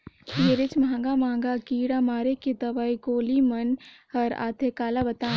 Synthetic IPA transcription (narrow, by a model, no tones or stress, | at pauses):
jeɾet͡ʃmãŋɡamaːŋɡakiːɽamaːɾeked̪ɐʋaikoːlimɐnhɐɾa̰ːt̪ʰekaːlabɐt̪aː